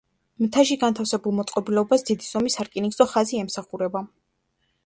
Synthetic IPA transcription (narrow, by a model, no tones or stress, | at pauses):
mt̪ʰaʃiɡant̪ʰafsɛbulˠmɔt̪sʼqʼɔbilɛɔbasd̪̥id̪iz̥ɔmisaɾkʼiniɡzɔχaziɛmsaχuɾɛba